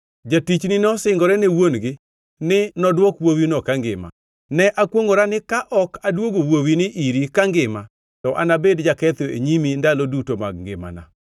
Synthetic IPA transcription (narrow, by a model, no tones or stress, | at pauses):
d͡ʒatit͡ʃnɪnɔsɪŋɡɔɾɛnewonɡɪ | nɪnɔdwɔkwowinɔkaŋɡɪ̰ma̰ | nɛʔakwoŋoɾanɪkaʔɔkadwoɡowowinɪʔiɾikaŋɡɪma | tɔʔa̰nabedd͡ʒakɛt̪oeɲimindalɔdutoma̰ɡ̚ŋɡɪ̰ma̰na̰